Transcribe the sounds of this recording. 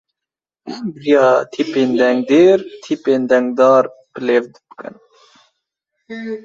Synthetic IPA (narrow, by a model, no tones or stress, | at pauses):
bɾijɑːt̪ʰipeːnd̪ɛŋɡ̚d̪eːɾt̪ʰipeːnd̪ɛŋɡ̚d̪ɑːɾpəleːvd̪bɨ̥kɨ̰n